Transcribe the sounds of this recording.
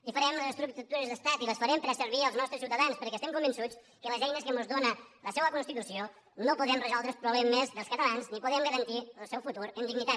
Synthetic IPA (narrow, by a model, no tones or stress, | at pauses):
ifəɾɛmləzəst̪ɾuk̚t̪̚t̪uɾəzðəst̪at̪iləsfəɾɛmpəɾəsəɾβ̞iəlˠznɔst̪ɾəsiwt̪əðanspəɾkɛst̪ɛmkumbənsut͡s | kələzɛjnəskəmozðonələsɛβəkunst̪it̪usio | nopuðɾɛmrəzɔlˠd̪ɾəpɾuβlɛmːezðəlskət̪əlanznipuðɾɛmɡəɾənt̪iəlˠsɛwfut̪uɾənd̪iɡnit̪at̪